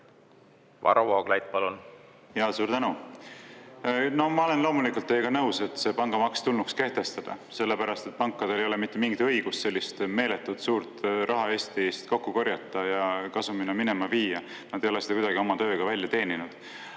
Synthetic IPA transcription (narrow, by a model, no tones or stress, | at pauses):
vɑ̰ɾowoːɡ̥lɑjt̪̚ːˑpɑlun | jɑsuːɾt̪ænu | no̞mɑo̞le̞nlo̞ːmulikult̪ːejekɑnɤwse̞t̪se̞pɑŋɡ̥ɑmɑkst̪ulnukske̞ht̪e̞st̪ɑd̪̥ɑ̰se̞lːepæɾɑst̪e̞t̪̚pɑŋkːˑɑd̪̥e̞lejole̞mit̪ːˑemiŋɡit̪ɤ̞jɡ̥ust̪se̞lʲːist̪me̞ːle̞t̪ːˑud̪̥suːɾt̪rʔɑɦɑe̞ːst̪ist̪ko̞kːuko̞ɾjɑt̪ːˑɑjɑkɑsuminːɑmine̞mɑviːjɑ | nɑtd̪e̞jo̞le̞sed̪ɑkud̪ɑɡio̞mɑt̪ø̞ːɡ̥ɑvælʲjɑt̪e̞ːninud̪̥